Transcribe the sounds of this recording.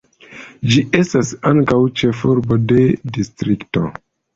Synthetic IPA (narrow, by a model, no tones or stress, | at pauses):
d͡ʒiʔe̞stasaŋkawt͡ʃe̞fuɾbo̞de̞distɾikto̞̰